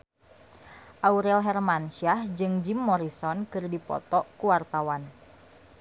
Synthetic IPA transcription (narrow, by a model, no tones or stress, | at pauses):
ʔauɾɛlɦɛrmanʃiahd͡ʒɨŋd͡ʒimːɔɾisɔnkɨrdipɔ̰t̪ɔkuwart̪awan